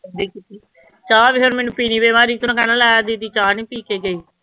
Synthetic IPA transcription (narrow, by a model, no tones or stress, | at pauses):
d̪iːkit̪iː | t͡ʃaːʋiːɦoɾmɛ̃ːnũːpiːniːbeːmaːɾiːt̪ʊnãːkɛnalɛːd̪iːd̪iːt͡ʃaːniːpiːkeːɡəiː